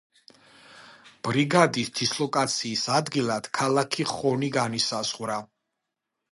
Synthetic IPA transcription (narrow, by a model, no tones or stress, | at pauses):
b̥ɾiɡad̪isd̪̥islˠɔkʼat̪sʰiːsad̪ɡilˠad̪̥kʰalˠakʰiχɔniɡanisaz̥ʁwɾa